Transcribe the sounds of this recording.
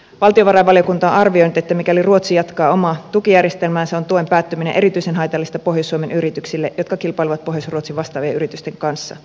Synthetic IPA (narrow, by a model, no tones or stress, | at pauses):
ʋɑlt̪io̞ʋɑrɑjʋɑljokunt̪ɑonɑrʋio̞jnyt̪et̪ːæmikæliruo̞t̪sijɑt̪kɑːo̞mɑt̪ukijærjest̪elmæːnseont̪uojmpæːt̪ːymineʔe̞ɾit̪yise̞nɦɑjt̪ɑlːist̪ɑpo̞hjosːuomenyɾit̪yksilːeʔjo̞t̪̚kɑkilpɑiliʋɑt̪̚po̞ɦjosruot̪siʋɑst̪ɑːʋieyɾit̪yst̪eŋkɑnsːɑ̰